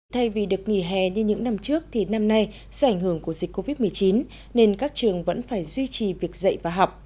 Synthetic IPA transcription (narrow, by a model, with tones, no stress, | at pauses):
t̪ʰa˧jvi˨˩ɗɨ˨˩ək̚ŋḭ˧˩ɦɛ̰˨˩ɲɨ˧ɲɨ̰˧˥ŋna˧mt͡ɕɨ˦˥ək̚t̪ʰi˨˩na˧mna˧j | sɔ˧ʔa˧˩jŋ̟hɨ˧˩əŋku˧˩əzi˨˩k̟̚kːo˧vi˦˥t̚mɨ˨˩əjt͡ɕi˨˦n | ne˧nkaː˦˥k̚t͡ɕɨ˨˩əŋvə̰˧˥nfaː˧˩jzwi˧t͡ɕi˨˩vi˨˩ək̚zə̰˧˨jvaː˨˩ɦa˨˩wk͡p̚